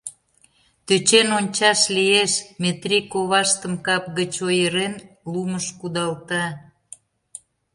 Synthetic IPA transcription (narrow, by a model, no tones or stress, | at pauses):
t̪øt͡ɕenonʲt͡ɕɑʃlijeʃmet̪ɾʲikoβɑʃt̪əmkɑp̚ɣət͡ɕojəɾen | luməʃkud̪ɑlt̪ɑ